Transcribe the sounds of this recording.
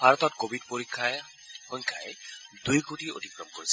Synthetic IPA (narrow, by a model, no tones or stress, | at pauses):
bʱaɹɔt̪ɔtkobʱid̚poɹikʰːa | xɔɲkʰaɛdujkotio̰tikɹɔmkoɹisɛ